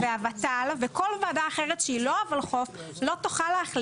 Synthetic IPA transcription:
veavatalveko̞lvaːdaːχeʁetʃeilo̞avalχo̞f | lo̞toχaleaχl

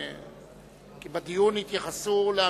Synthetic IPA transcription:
kibad̪ijunhit̪jaχasulea

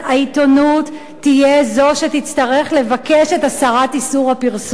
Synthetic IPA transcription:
aito̞nutː | ijezo̞ʃetit͡stɐʁe̞χle̞vake̞ʃe̞tasaʁatisuʁhapiʁs

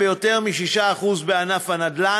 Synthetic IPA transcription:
ejo̞t̪e̞ʁmiʃiʃaːχuzbeanafanad̪la

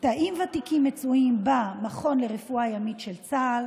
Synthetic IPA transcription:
taʔimvatikimːet͡suimbamaχo̞nleʁefuajamitʃelt͡sal

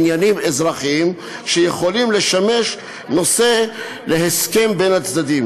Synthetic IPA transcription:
njanimezʁaχm | ʃejeχo̞limle̞ʃame̞ʃ | no̞se̞ | leɦeske̞mbenhat͡sd̪ad̪im

